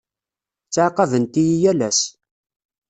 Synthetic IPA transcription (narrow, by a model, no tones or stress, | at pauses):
t͡sːʕqɑðənt̪ijijælæs